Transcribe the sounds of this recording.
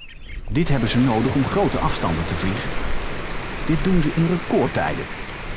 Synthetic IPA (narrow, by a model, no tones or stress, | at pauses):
dɪtɦɛbənzənowdəχɔmχrowtəʔɑfstɑndəntəvliχən | d̥ɪt̚dunzəʔɪnrəkɔɹtɛ̰jdə̰